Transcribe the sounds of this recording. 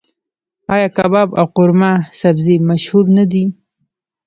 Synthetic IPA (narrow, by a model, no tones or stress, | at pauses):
ɑjɑkabɑbawqʊɾmasabzemaʃhuɾnad̪i